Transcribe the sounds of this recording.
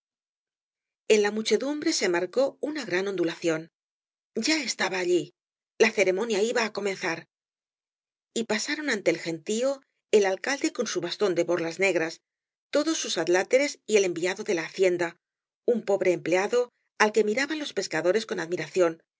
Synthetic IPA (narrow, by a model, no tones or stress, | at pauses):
e̞nlamut͡ʃe̞ðumbɾe̞se̞maɾko̞unaɣɾano̞nd̪ulaθjo̞n | ɟ͡ʝae̞st̪aβaːʎi | laθe̞ɾe̞mõ̞njaiβaːko̞me̞nθaɾ | ipasaɾo̞nãnt̪e̞ːlxe̞nt̪io | elalkald̪e̞ko̞nsuβast̪o̞nd̪e̞βo̞ɾrlazne̞ɣɾas | t̪o̞ðo̞sːusaðlat̪e̞ɾe̞sie̞le̞mbiaðo̞ðe̞laːθje̞nd̪a | umpo̞βɾe̞ːmple̞aðo̞ | alke̞miɾaβanlo̞spe̞skaðo̞ɾe̞sko̞naðmiɾaθjo̞n